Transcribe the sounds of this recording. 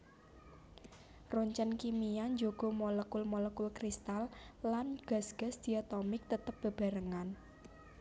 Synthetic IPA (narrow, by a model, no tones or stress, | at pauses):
rɔɲt͡ʃənkimijaɲd͡ʒoɡ̥o̤mɔləkʊlmɔləkʊlkɾist̪alːanɡ̥a̤sɡ̥a̤sd̪̥i̤at̪ɔmɪk̚t̪ət̪əp̚b̥ə̤b̥a̤ɾəŋan